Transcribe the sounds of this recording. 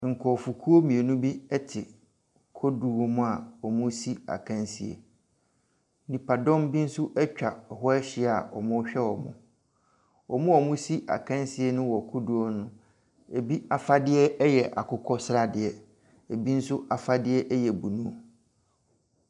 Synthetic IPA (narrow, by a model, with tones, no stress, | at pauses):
ŋ̩˨kʰɔ˨fu˨kʰu˦o˦mĩ˨e˨nʊ̃˦bi˦ɛ˦tʰɪ˨ | kʰo˦du˨o˦mʊ̃˦a˨ɔ˨mʊ̃˦si˦a̰˨kʰã˦nsi˨ḛ˨ | nĩ˨pa˨dɔ̃˦m˦bi˦n̩˦sʊ˦ʔɛ˦t͡ɕᶣa˨ɔ˨ɦɔ˦ɛ˦ɕɪ˨a˨ɔ̰˨mʊ̃˦ɕᶣɛ˦ɔ˨mʊ̰̃˨ | ɔ˨mʊ̃˦ɔ˨mʊ̃˦si˦ʔa̰˨kʰã˦n˦sɪ˦e˦nʊ̃˦wɔ˨kʰo˦du˨ɔ˦nʊ̃˦ | e˨bi˦a˨fa˦dɪ˦ɛ˦jɛ˨ʔa̰˨kʰʊ˦kʰɔ˦sɾa˦dɪ˨ɛ˦ | e˨bi˦n̩˦sʊ˦ʔa˨fa˦dɪ˦ɛ˦ʔɛ˦jɛ˨bu˨nũ˦o˨